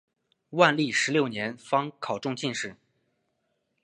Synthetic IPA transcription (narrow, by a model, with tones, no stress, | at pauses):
wa˥˧nli˥˩ʂɻ̩˧˥ljo˥˩ʊnjɛ˧˥nfɑ˥ŋkʰɑ˨˩ʊʈ͡ʂʊ˥˧ŋt͡ɕʰi˥˧nʂɻ̩˥˩